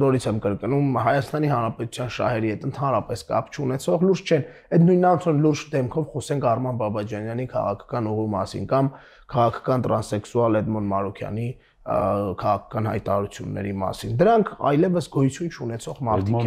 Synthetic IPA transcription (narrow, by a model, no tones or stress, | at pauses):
nɔɾit͡sʰɛmkəɾkənumɦɑjɑst̪ɑnihɑnɾɑpɛt̪u̥t͡sʰjɑnʃɑ̰hɛɾihɛt̪ənt̪ʰɑnɾɑpɛskɑ̰pʰt͡ʃʰunɛt͡sʰɔʁluɾst͡ʃʰɛn | ɛt̪nujnɑnt͡sʰɔnluɾd͡ʒd̪ɛmkʰɔvχɔsɛŋkʰɑrmɑnbɑbɑd͡ʒɑnjɑnikʰɑ̰ʁɑ̰kʰɑ̥kɑnuʁvimɑ̰sḭnkɑm | kʰɑʁɑkʰɑ̥kɑnt̪ɾɑnsɛksuɑlɛd̪mɔnmɑɾukʰjɑ̰ni | kʰɑʁɑkʰɑ̥kɑnɦɑ̰jt̪ɑɑɾut͡sʰjṵnːɛ̰ɾimɑ̰sind̪əɾɑŋkʰɑ̰jlɛvəsɡɔjut͡sʰjunt͡ʃʰunɛt͡sʰɔʁmɑɾt̪ʰik